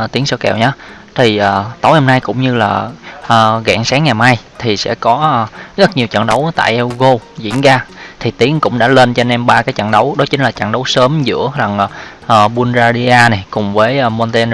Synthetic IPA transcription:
t̪i˨˦əŋsɔ˧˥kɛ̰˨˩wɲaː˨˦ | t̪ʰi˨˩ʔəː˨˩t̪o˨˦jhɔ˧mna˧jkʊ̰˧˥wŋ͡mɲɨ˧laː˨˩ʔəː˨˩ɣa̰ː˧˩ŋsaː˨˦ŋːa˨˩jmaː˧jt̪ʰi˨˩sɛ̰˧˥kɔː˨˦˨ɣt̚ɲi˨˩əwt͡ɕə̰˧˨nɗə˨˦wt̪a̰ː˧˨jʔɛ˧ɣo˧zḭ˧˥ənzaː˧t̪ʰi˨˩t̪i˨˦əŋkʊ̰˧˥ŋ͡mɗa̰ː˧˥le˧nt͡ɕɔ˧nɛ˧mɓaː˧kaː˨˦jt͡ɕa̰˧˨nɗə˨˦wɗɔ˨˦t͡ɕï˨˦ŋlaː˨˩t͡ɕa̰˧˨nɗə˨˦wsəː˨˦mzɨ̰˧˥əɾa˨˩ŋ˨˩ʔəː˨˩ɓu˧nzaː˧ɗi˧ʔaː˧na˨˩jkʊ˨˩ŋ͡mvəː˨˦jʔmɔ˧nt̪e˧n

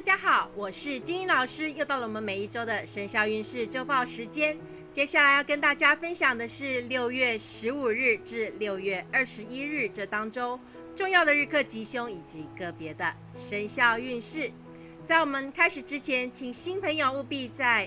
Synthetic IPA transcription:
t̪a˥˩t͡ɕja˥xɑ˨˩˦ʊwɔ˨˩ʂɻ̩˥˩t͡ɕi˥ŋi˧˥nlɑ˨˩ʊʂɻ̩˥jo˥˧ʊt̪ɑ˥˩lə˨˩wɔ˨˩mə˧˦nme˨˩ɪi˥˩ʈ͡ʂo˥ʊd̪ə˨ʂə˧˥nɕjɑ˥˧ʊy˥˧nʂɻ̩˥˩ʈ͡ʂo˥ʊpɑ˥˩ʊʂɻ̩˧˥t͡ɕjɛ˥n | t͡ɕjɛ˥ɕja˥˩la˧˥ɪjɑ˥˩ʊkə˥nt̪a˥˩t͡ɕja˥fə˥nɕjɑ˨˩ŋd̪ə˦ʂɻ̩˥˧ljo˥˧ʊɥɛ˥˩ʂɻ̩˧˥u˨˩ɻɻ̩˥˩ʈ͡ʂɻ̩˥˧ljo˥˧ʊɥɛ˥˩ə˞˥˩ʂɻ̩˧˥i˥ɻɻ̩˥˧ʈ͡ʂɤ˥˩t̪ɑ˥ŋʈ͡ʂo˥ʊ | ʈ͡ʂʊ˥˧ŋjɑ˥˩ʊd̪ə˩ɻ̩˥˧kʰɤ˥˩t͡ɕi˧˥ɕjʊ˥ŋi˨˩t͡ɕi˧˥kɤ˥˩pjɛ˧˥d̪ə˧ | ʂə˧˥nɕjɑ˥˧ʊy˥˧nʂɻ̩˥˩ | t͡sa˥˩ɪwɔ˨˩mə˧˦nkʰa˥ɪʂɻ̩˨˩ʈ͡ʂɻ̩˥t͡ɕʰjɛ˧˥nt͡ɕʰi˨˩ŋɕi˥npʰə˧˥ŋjo˨ʊu˥˧pi˥˧t͡sa˥˩ɪ

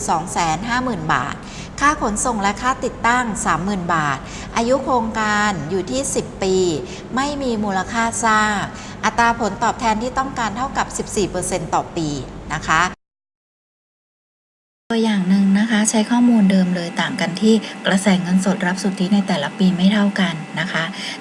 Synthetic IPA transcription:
sɔː˩˦ŋsɛː˩˦nɦaː˥˩mɯː˨˩nba̰ː˨˩t̪̚ | kʰaː˥˩kʰo˩˦nso˨˩ŋɾa˦˧˥kʰaː˦˥˩t̪i˨˩t̪ːa˥˩ŋsaː˩˦mːɯː˨˩nbaː˨˩t̪̚ | ʔa˧ju˦˥kʰɾoː˧ŋkaː˧njuː˨˩t̪ʰiː˥˩si˨˩pːiː˧ | ma˥˩jmiː˧muː˧la˧kʰaː˥˩saː˥˩k̚ʔa˨˩t̪ɾaː˧pʰo˩˦nt̪ɔː˨˩p̚t̪ʰɛː˧nt̪ʰiː˥˩t̪ɔ˥˩ŋkaː˧nt̪ʰa˥˩wka˨˩p̚si˨˩p̚siː˨˩pɤː˧se˧nt̪ɔː˨˩piː˧na˦˥kʰa˦˥ | d̥oː˧əjːaː˨˩ŋnɯ˨˩ŋna˦˥kʰa˦˥t͡ɕʰa˦˥jkʰɔː˥˩muː˧ndɤː˧mlɤː˧jt̪aː˨˩ŋka˧nt̪ʰiː˥˩kɾa˧sɛː˨˩˦ŋɤ˧nso˨˩t̪̚ɾa˦˥p̚su˨˩t̪ʰːi˦˥na˧jt̪ɛː˨˩la˦˥piː˧ma˥˩jt̪ʰa˥˩wka˧nːa˦˥kʰa˦˥

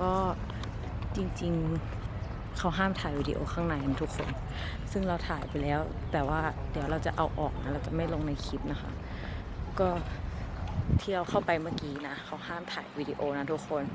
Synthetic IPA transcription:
kɔː˥˩ | t͡ɕi˧ŋt͡ɕi˧ŋ | kʰa˦˥wɦaː˥˩mt̪ʰaː˨˩jwiː˧dḭ˧ʔo̰ː˧kʰaː˥˩ŋna˧˩jʔa˧nt̪ʰu˦˥kʰːo̰˧n | sɯ˥˩ŋɾa˧wt̪ʰaː˨˩˦jpa˧jlɛː˦˥w | t̪ɛː˨˩waː˥˩d̪i˨˦əwɾa˧wt͡ɕa̰˨˩ʔa˧wʔɔː˨˩k̚na˦˥ɾa˧wt͡ɕa˨˩ma˥˩jlo˧ŋna˧jkʰi˦˥p̚na˦˥xʰa̰˦˥ʔ | kɔː˥˩ | t̪ʰi˧˨a˧wxʰa˥˩wpa˧jmaː˥˩kiː˧na˦˥xʰa˧˥whaː˥˩mt̪ʰaː˨˩˦jwiː˧diː˧ʔoː˧na˦˥t̪ʰu˦˥kʰːo˧n

